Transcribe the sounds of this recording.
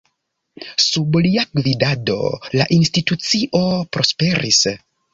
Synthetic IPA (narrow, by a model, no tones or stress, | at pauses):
subliaɡvidado̞̰laʔinstitut͡siʔo̞pɾo̞spe̞ɾis